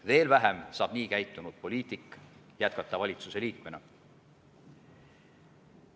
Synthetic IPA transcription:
ve̞ːlvæɦemsɑːb̥niːkæjt̪ːˑunud̪̥̚po̞lʲiːt̪ˑikː | jæt̪̚kɑt̪ːˑɑvɑlʲit̪suse̞liːkme̞nɑ

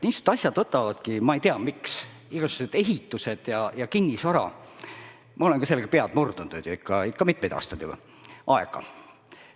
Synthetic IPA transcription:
niːsu̥d̪t̪t̪ɑsʲjɑd̪̥ɤt̪ːˑɑvɑd̪̥kimɑejt̪eɑmiks | iɡ̥ɑsu̥ɡused̪̥e̞ɦit̪ːˑuse̞d̪̥jɑjɑkinʲːisvɑɾɑ̰ | mʔɑo̞lenkɑse̞lːeɡ̥ɑpeɑd̪̥murd̪̥und̪ud̪̥jɑikˑːɑikːɑmit̪̚ːˑmejd̪̥ɑ̰ːst̪ɑd̪̥ubɑ̰ | ʔɑeɡ̥ɑ̰

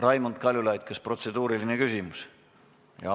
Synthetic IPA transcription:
rɑjmunt̪̚kɑlʲjulɑjt̪̚kɑspro̞t̪se̞d̪uːɾilinekysimus | jɑ̰

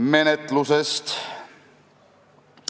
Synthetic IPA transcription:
me̞net̪lusest̪

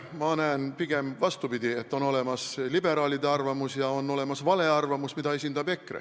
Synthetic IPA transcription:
mɑnæːnpiɡ̥e̞mvɑst̪upid̪̥ie̞t̪ːˑo̞no̞le̞mɑslibe̞ɾɑːlid̪eɑrvɑmusjɑo̞nːo̞le̞mɑsvɑle̞ɑrvɑmusmid̪ɑe̞sʲind̪̥ɑbe̞krḛ

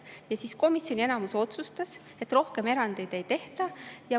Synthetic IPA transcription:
jɑsisko̞misʲjo̞nʲie̞nɑmuso̞t̪sust̪ɑs | e̞t̪ːˑro̞hke̞me̞ɾɑnd̪̥e̞jd̪̥e̞jt̪e̞ht̪ɑjɑ

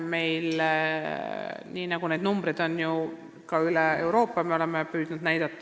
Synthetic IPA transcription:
me̞jl | niːnɑɡ̥une̞jd̪numb̥rid̪̥o̞nju | kɑyleeuɾo̞ːpːˑɑmeo̞le̞mːepyːd̪̥nud̪næjd̪̥ɑt̪ːˑɑ

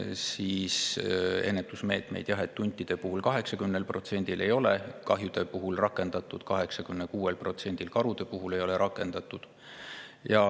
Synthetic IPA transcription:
siːse̞̰nːet̪ːˑusme̞ːt̪me̞̰jd̪̥jɑɦe̞t̪ːunʲt̪ʲːˑid̪̥e̞puɦulkɑɦe̞ksɑkymnelpro̞t̪se̞nʲd̪̥ile̞jo̞lekɑɦjud̪̥e̞puɦulrɑkːˑe̞nd̪ɑt̪ːˑud̪̥kɑɦeksɑkymnekuːe̞lpro̞t̪se̞nʲd̪̥ilkɑɾud̪̥e̞puɦule̞jo̞le̞ɾɑkːˑe̞nd̪̥ɑt̪ːˑud̪̥ | jɑ

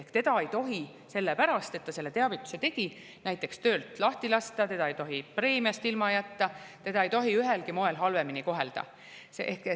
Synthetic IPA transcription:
ehkt̪e̞d̪ɑejt̪o̞ɦi | se̞lːepæɾɑst̪et̪ːɑse̞lːe̞t̪e̞ɑvit̪ːˑu̥se̞t̪e̞ɡ̥i | næjt̪ːˑe̞kst̪ø̞ːlt̪ˑlɑht̪ilɑst̪ɑt̪e̞̥ɑejt̪o̞ɦipre̞ːmiɑst̪ilmɑjæt̪ːɑt̪e̞d̪ɑejt̪o̞ɦiyɦe̞lkimo̞e̞lɦɑlve̞miniko̞ɦe̞ld̪̥ɑ̰ | seehk

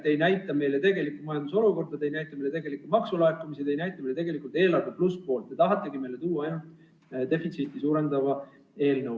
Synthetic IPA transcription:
t̪e̞jnæjt̪ːˑɑme̞jle̞t̪e̞ɡe̞likːˑumɑjɑnd̪uso̞luko̞rd̪ɑt̪ejnæjt̪ːˑɑmejlee̞ɡe̞likːumɑksulɑekːˑumisit̪e̞jnæjt̪ːˑɑmelee̞ɡ̥e̞likˑult̪e̞ːlɑrvepluspo̞ːlt̪ːˑet̪ɑɦɑt̪ːˑe̞ɡ̥ime̞jle̞t̪uːɑɑjnult̪ˑ | d̪e̞fit̪sit̪ːˑisuːɾe̞nd̪ɑvɑ | e̞ːlnɤw

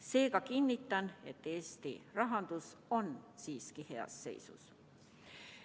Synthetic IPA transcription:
se̞ːɡ̥ɑkinʲːit̪ˑːɑne̞t̪ːˑe̞ːst̪irɑɦɑnd̪̥uso̞nsiːskihe̞ɑ̰sːe̞̰jsṵs

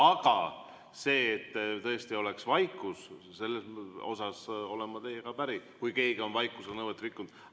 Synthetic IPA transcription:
ɑɡ̥ɑ | se̞ːt̪ːt̪ɤe̞st̪io̞le̞ksvɑjkːˑus | se̞lːeso̞̰sɑso̞̰lemɑt̪e̞jekɑpæɾikujke̞ːɡeo̞nvɑjkːˑuselnɤwet̪ːrikːund̪̥

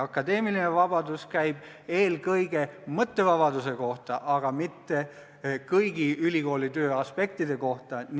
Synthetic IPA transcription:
ɑkːˑɑd̪̥e̞ːmilinevɑb̥ɑd̪uskæjb̥ | e̞ːlkɤjɡ̥e̞mɤt̪ːe̞vɑb̥ɑd̪use̞ko̞ht̪ɑʔɑɡ̥ɑmit̪ːe̞ | kɤjɡiylʲiko̞ːlit̪ø̞ːɑspe̞k̚t̪id̪e̞ko̞ht̪ɑn

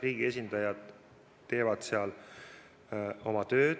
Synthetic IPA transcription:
riːɡ̥ie̞s̬ʲind̪̥ɑjɑd̪̥ | t̪ːe̞ːvɑd̪̥seɑl | o̞mɑt̪ø̞ːd̪̥

